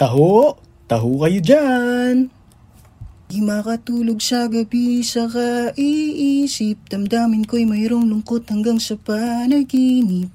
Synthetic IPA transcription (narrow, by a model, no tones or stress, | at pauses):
t̪ɐɦoʔ | t̪ɐɦokɐjod͡ʒan | ɡɪmakɐt̪uːloɡ̚sɐɡɐbisɐkɐʔiʔiːsɪp̚d̪̥ɐmd̪aːmɪnko̞jmɐjɾoŋlʊŋkot̪̚hɐŋɡaŋsɐpɐnɐkinɪt̚